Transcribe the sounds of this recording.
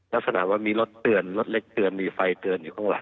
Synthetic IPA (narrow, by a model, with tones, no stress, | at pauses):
la˦˥k̚sa˧na̰ː˨˩˦waː˥˩miː˧lo˦˥t̪ːɯ˨˩ənlo˦˥t̪̚le˦˥k̚t̪ɯ˨˩ənmiː˧fa˧jt̪ɯ˨˧˩ənjuː˨˩kʰɔː˥˩ŋwa˨˧˩